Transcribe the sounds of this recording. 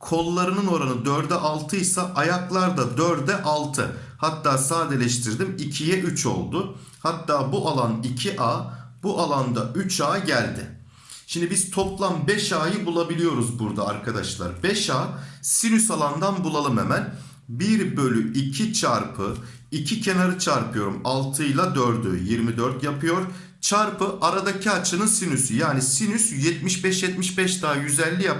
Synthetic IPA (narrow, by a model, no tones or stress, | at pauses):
kʰo̞lˠːaɾɯnɯno̞ɾanɯd̪øɾd̪ɛʔalˠt̪ʰɯjsaʔajaklˠaɾd̪ad̪øɾd̪ɛʔalˠt̪ʰɯ̰ | hat̪ːaːsaːd̪elʲɛʃt̪ʰiɾd̪imicʰijɛʔyt͡ʃʰo̞̰lˠd̪ʊhat̪ʰːaːbuʔalˠanicʰiʔaːbuʔalˠand̪aʔyt͡ʃʰaːɟælʲd̪ɪ̰ | ʃimd̪ibiz̥t̪ʰo̞plˠambɛʃaːjɯbulˠabilʲijo̞ɾuzbuɾd̪a̰ːɾkʰad̪a̰ʃlˠa̰ɾbɛʃaːsinysalˠand̪anbulˠalˠɯmḛmæn | biɾbø̞lʲyʔicʰit͡ʃʰaɾpʰɯ | icʰicʰe̞naɾɯt͡ʃʰaɾpʰɯjo̞ɾumalˠt̪ʰɯjlˠad̪øɾd̪y̰jiɾmid̪øɾt̪japʰɯjo̞ɾ | t͡ʃʰaɾpʰɯʔaɾad̪acʰiat͡ʃʰɯnɯnsinysyjaːnisinysjɛt̪̚miʃbɛʃjɛt̪miʃbɛʃt̪ʰaːjyzɛlʲːija